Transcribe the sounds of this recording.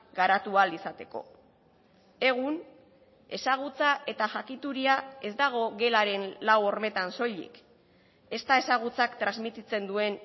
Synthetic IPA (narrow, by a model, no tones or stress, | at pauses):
ɡaɾat̪ualisat̪e̞ko̞̰ | e̞ɣ̞un | e̞saɣ̞ut͡saʔe̞t̪aʝakit̪uɾiae̞zd̪aɣ̞o̞ɣe̞laɾe̞nlawo̞ɾme̞t̪anso̞ʎḭk | e̞st̪ae̞saɣ̞ut͡sakt̪ɾazmit̪it͡se̞nd̪ue̞n